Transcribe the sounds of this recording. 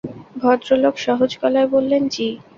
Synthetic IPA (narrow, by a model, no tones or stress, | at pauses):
bʱɔd̪ɾoloɡʃɔɦod͡ʑkɔlaebolːent͡ɕi